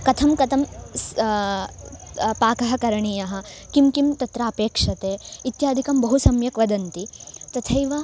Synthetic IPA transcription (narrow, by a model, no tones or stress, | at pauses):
kɐt̪ʰɐmkɐt̪ʰɐms | paːkɐɦɐ̆kɐɾɐɳiːjɐɦɐ̆ | kimkimt̪ɐt̪ɾaːɐpeːkʂɐt̪eːit̪jaːd̪ʱikɐmbɐɦusɐmjɐkʋɐd̪ɐnt̪it̪ɐt̪ʰɐjʋɐ